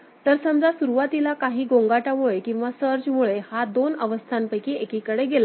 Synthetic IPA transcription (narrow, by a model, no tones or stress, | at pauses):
t̪əɾsəmd͡zasuɾuʋat̪ilakaɦiːɡõŋɡaʈaʋoɭekĩw̃ʋasəɾd͡zmuɭehad̪onəʋəst̪ʰampəjkiekikəɽeɡela